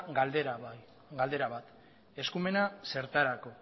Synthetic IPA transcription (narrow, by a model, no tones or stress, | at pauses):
ɡl | ɡald̪e̞ɾaβat̪ | e̞skume̞nase̞ɾt̪aɾako̞